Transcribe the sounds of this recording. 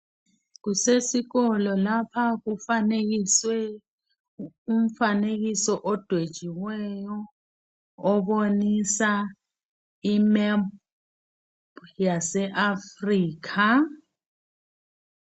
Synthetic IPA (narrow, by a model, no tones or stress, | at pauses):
k̬usesiɣɔlɔlapʰakufanek̬iswɛ | um̩faneɣ̬isɔʔɔd̥ʱwed̥ʒ̥ʱiwɛjɔː | ɓonisa | imɛ | bjasɛʔafriːk̬ʰa